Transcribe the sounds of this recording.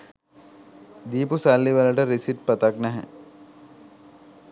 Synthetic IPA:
d̪iːpusalːiʋələʈəɾisiʈ̚pət̪aknɛɦɛ̰

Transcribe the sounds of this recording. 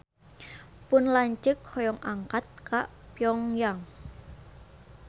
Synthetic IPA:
pʊnlaɲt͡ʃəkʰhɔjɔŋaŋkat̪̚kaʔpjɔŋjaŋ

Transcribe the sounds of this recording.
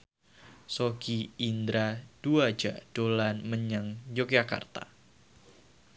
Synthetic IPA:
soɡiind̪ɾad̥uḁd͡ʒa̰d̥olanməɲaŋjok̚jaka̰rt̪a̰

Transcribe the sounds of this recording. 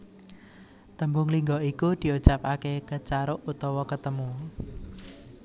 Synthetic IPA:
t̪əmbʊŋliŋɡɔikud̪̥i̤ut͡ʃapakekət͡ʃaɾʊʔut̪ɔwɔkət̪əmu

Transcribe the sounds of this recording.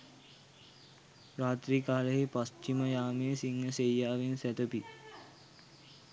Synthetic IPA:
ɾaːt̪ɾiːkaːləɦipɐst͡ʃiməjaːmeːsiŋɦəsejːaːʋinsɛt̪əpi

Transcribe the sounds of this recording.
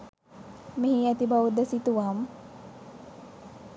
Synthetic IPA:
miɦiat̪ibaud̪əsit̪uʋam

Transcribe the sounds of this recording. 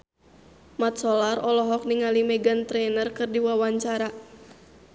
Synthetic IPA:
mat̪̚sɔlarɔlɔɦɔk̚niŋalimɛɡant̪ɾɛnərkɨrdiwawaɲt͡ʃaɾa

